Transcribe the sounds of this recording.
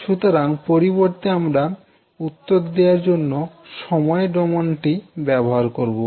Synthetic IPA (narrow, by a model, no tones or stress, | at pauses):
ʃut̪oɾaŋpoɾiboɾt̪eamɾa | ut̪ːod̪d̪eaɾd͡ʑonːo | ʃɔmɔeɖɔmonʈibɛboɦaɾkoɾbo